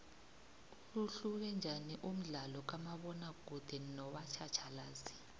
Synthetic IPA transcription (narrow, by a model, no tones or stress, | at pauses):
luɬuk̬ɛnd͡ʒʱaniʔum̩ɮalɔk̬amaɓɔnaɡ̥ʱud̥ʱɛnɔɓat͡ʃʰat͡ʃʰalaːzi̥